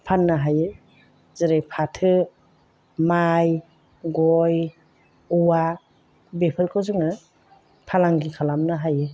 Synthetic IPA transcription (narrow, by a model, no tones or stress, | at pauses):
pʰanːaɦajɯ | zɯɾejpʰatʰɯ | maj | ɡɔj | uwa | bepʰɯɾkʰɔzuŋɯ | pʰalaŋɡikʰalamnɯɦajɯ